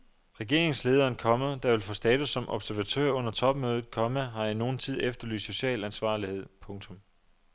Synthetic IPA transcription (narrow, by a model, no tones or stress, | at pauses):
ʁɛɡ̥e̝̰ɐ̰e̝ŋsle̝ːð̞ˠɐːnkʰɒ̽mˠd̥ɑ̈ʋe̝lfɔsd̥ɛːt͡sʰusːɒ̽mʔɒ̽b̥sæɐʋæt͡sʰø̰ɐɔ̽n̰ɐt͡sʰɒ̽b̥̚møːð̞ˠð̩ˠkʰɒ̽məɦɑ̈ino̝ːn̩t͡sʰið̞̰ˠefd̥ɐly̰ːsd̥so̝ɕɛ̰ːlænsʋɑ̈ːlihe̝ð̰ˠpʰɔ̽ŋt͡sʰɔ̽m